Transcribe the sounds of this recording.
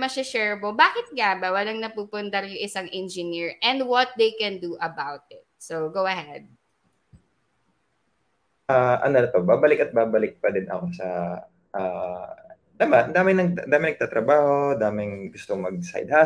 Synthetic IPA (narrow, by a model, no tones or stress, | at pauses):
mɐsɪʃɛɹbobaːkɪt̪̚ɡabɐwɐlɐŋnɐpuːpʊnt̪ɐɾjʊŋʔɪsɐŋʔɛnd͡ʒɪniɹʔɛ̃nd̪wɔt̪̚d̪ejkɛ̃nd̪uʔɐbawt̪̚ɪt̪̚sowɡowɐhɛd̪̚ | ʔaːʔɐ̰nolɐt̪obaːbɐlɪkɐt̪̚baːbɐlɪk̚pɐd̪ɪnɐ̰kosɐ | ʔa | d̪ɐmad̪aːmɪnɐɡ̪̚d̪aːmɪnɐɡ̚t̪aːt̪ɾɐbaːho̞d̪aːmɪŋɡʊst̪omɐɡ̚sa̰jd̪̚ha